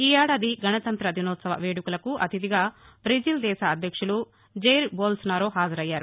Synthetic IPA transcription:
iːaːɽɐd̪iɡʱɐnɐt̪ɐnt̪ɾɐd̪ʱinɔːt̪sɐʋɐ̰ʋeːɽukulɐkuʔɐ̰t̪id̪iɡaː | bɾid͡ʒild̪ɛːsaːd̪ʱjɐkʂulu | d͡ʒejɾboːlsnaːɾoːɦaːd͡ʒɐɾɐjːaːɾu

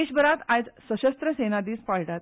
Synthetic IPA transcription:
eɕbəɾat̪ad͡zsəɕəst̪ɾəsenad̪iːspaɭʈat̪̚

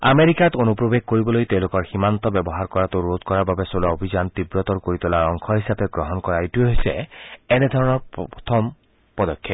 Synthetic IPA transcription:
a̰meɾikat̪onupɹobeɡ̚koɹibɔlojt̪ewlokɔɹximant̪ɔbɛbɔɦaɹkɔɹat̪uɹod̪̚kɔɹaɹbabesolaobʱid͡ʒant̪ibɹɔt̪ɔɹkoɹit̪ɔlaɹɔŋkʰɔɦisapeɡɹɔɦɔnkɔɹaitueɦojseened̪ʱɔɹɔnɔɹɔt̪ʰɔm | pɔd̪ɔkʰːjɔt

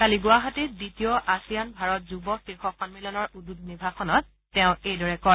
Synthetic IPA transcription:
kaliɡʊaɦatiditiɔʔasijanbʱaɹɔt̚zubɔxixɔxɔnmilɔnɔɹududnibʱaxɔnɔt̚ː | ɛ̃ʊ̃ejdɔɹɛkɔ

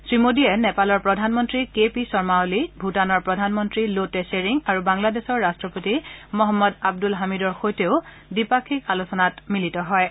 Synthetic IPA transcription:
sɹimodijɛnɛpalɔɹpɹɔdʱanmɔntɹikepisɔɹmaolibʱutanɔɹpɹɔdʱanmɔntɹiloteseɹiŋaɹubaŋladesɔɹːastɹɔpotimɔɦɔmːɔdab̚dulɦamidɔɹxojteʊ | dipakʰikalusɔnatmilitɔɦɔj

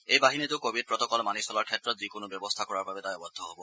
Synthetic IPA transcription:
ejbaɦinet̪ekobʱid̚pɹɔt̪ɔkɔlmanisɔlaɾkʰet̪ːɾɔt̪zikonobjɔbɔst̪ʰakɔɹaɾbabed̪ajɔbɔd̪ʱːɔɦobɔ

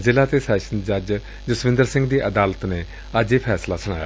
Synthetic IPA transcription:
zɪlaːt̪eːsɛːʃənd͡ʒad͡ʒ | d͡ʒəsʋɪ̃nd̪əɾsɪ̃ŋɡd̪iːʔəd̪aːlət̪neː | əd͡ʒeːpʰɛːslaːsəɽ̃aːja̰

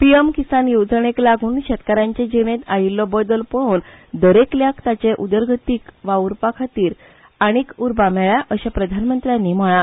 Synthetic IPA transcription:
pijemkisanjowd͡zəɳ̃eklaɡʱuːnɕɛt̪kaɾãɲt͡ɕẽd͡ʑeʋẽt̪ajilːɔbəd̪əlpəɭuːnd̪əɾekljakt̪at͡ɕeʔud̪əɾɡʱət̪iːkʋauɾpakʰat̪iːɾ | aɽ̃ikuɾbamɛɭjaʔəɕapɾəd̪ʱanmənt̪ɾjanːiməɭa

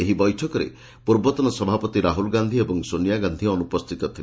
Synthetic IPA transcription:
eɦibɔjʈʰɔkɔɾḛ | puɾbɔt̪ɔnɔsɔbʱapɔt̪iɾaɦulɡand̪ʱiebɔŋsonijaɡand̪ʱiɔnupɔst̪ʰit̪ɔt̪ʰile

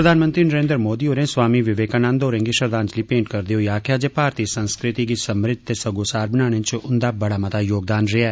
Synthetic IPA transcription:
pɾəd̪aːnmə̃nt̪ɾiːnəɾeːnd̪əɾmoːd̪iːoːɾẽːswaːmiʋɪʋeːkaːnãːnd̪oːɾẽːɡiːʃəɾd̪ãːnt͡ʃliːpẽːɳʈkəɾd̪eɦoːiaːkʰjaːd͡ʒeːpaːɾt̪iːsənskɾɪt̪iɡiːsəmɾɪd̪̚t̪eːsəɡoːsaːɾbɪnaːɽ̃ẽːt͡ʃʊnd̪aːbəɽaːmət̪aːjoːɡ̚d̪aːnɾɪaːɛː

